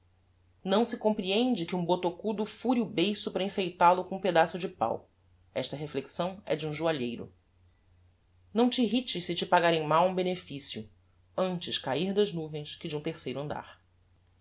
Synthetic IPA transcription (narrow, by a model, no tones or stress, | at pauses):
nɐ̃w̃sɪkõmpɾiẽnd͡ʒɪkɪũbot̪okud̪ʊfuɾiʊbejsʊpɾɐĩfejt̪alʊkõũped̪asʊd͡ʒɪpa̰w | ɛ̰ʃt̪ɐɦefleksɐ̃w̃ɛ̰d͡ʒɪũʒuaʎejɾʊ̰ | nɐ̃w̃t͡ʃːɦit͡ʃɪʃsɪt͡ʃɪpaɡaɾẽj̃mawũbenefisjʊ | ɐ̃nt͡ʃɪʃkaiɾd̪ɐʒnuvẽj̃skɪd͡ʒɪũt̪eχsejɾʊɐ̃nd̪a̰ɾ